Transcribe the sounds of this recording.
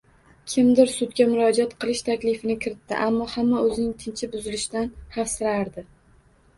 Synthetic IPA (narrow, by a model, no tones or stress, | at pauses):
kʲʰɪmd̪ɪɾsʊt̪ɡʲamʊɾɒd͡ʒat̪qʰɨlˠɪʃt̪ʰakʲlɪfɪnɪkʲʰɪɾɪt̪ʰːɪ̰ʔamːɒhamːaɵzɪnɪŋt̪ʰɪnt͡ʃʰɪbʊzɪlɪʃt̪anhafsɪɾaɾd̪ɪ